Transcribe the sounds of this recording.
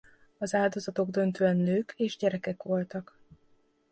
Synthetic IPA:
ɒzaːld̪o̞zɒt̪o̞ɡd̪ø̞nt̪øːɛnːøːkeːʒɟɛɾɛkɛkʋo̞lt̪ɒk

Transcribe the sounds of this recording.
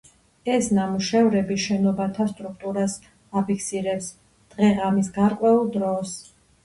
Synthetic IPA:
ɛsnamuʃɛvɾɛbiʃɛnɔbat̪ʰast̪ʼɾuk̚ʰt̪ʼuɾas | apʰikʰsiɾɛps | d̪̥ʁɛʁamisɡaɾqʼwɛulˠd̪ɾɔs

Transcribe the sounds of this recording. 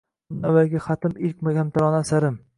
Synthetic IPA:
navalɡʲaχɑt̪ʰɪmɪlk̚ʲmaɡʲamt̪ʰaɾɒnasaɾɪm

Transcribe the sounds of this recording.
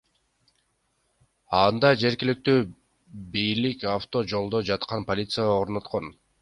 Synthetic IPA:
ɑnd̪ɑd͡ʒe̞ɾɡilik̚t̪yː | bijlikaft̪o̞d͡ʒo̞lˠd̪o̞d͡ʒɑt̪qɑnpo̞lʲit̪sɨjao̞ɾno̞t̪qo̞n

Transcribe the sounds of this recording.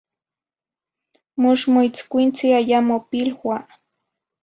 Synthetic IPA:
mʊʃmʊjt͡skʷint͡siajamopilxwa

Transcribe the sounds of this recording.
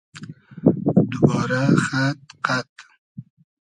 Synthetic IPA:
d̪ʊbɑːɾaxat̪qat̪

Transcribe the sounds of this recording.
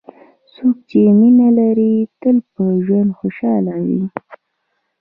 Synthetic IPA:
sok̚t͡ʃeminalaɾit̪əlpəʒwand̪xoʃɑlawḭ

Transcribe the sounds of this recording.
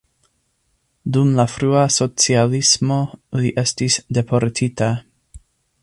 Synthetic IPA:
dumlafɾuaso̞t͡sialismo̞liʔe̞stisde̞po̞ɾtʰita

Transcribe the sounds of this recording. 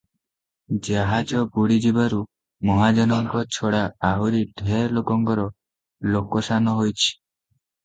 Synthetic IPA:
d͡ʒaɦad͡ʒɔbuɽid͡ʒibaɾu | mɔɦad͡ʒɔnɔŋkɔt͡ʃʰɔɽaaɦuɾiɖʱeɾlokɔŋkɔɾɔ | lokɔsanɔɦojt͡ʃʰi̥

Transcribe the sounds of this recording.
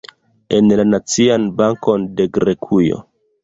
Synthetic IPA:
e̞nlanat͡sianbaŋko̞nde̞ɡɾe̞kʰujo̰

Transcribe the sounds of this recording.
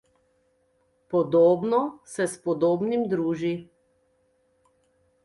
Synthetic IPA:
pɔd̪oːbnɔsɛspɔd̪oːbnimd̪ɾuːʒi

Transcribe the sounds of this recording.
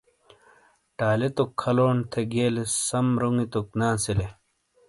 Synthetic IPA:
ʈaːlet̪okʰːɐloːɳt̪ʰeɡeːlesɐmɾuŋɡit̪oknaːsele

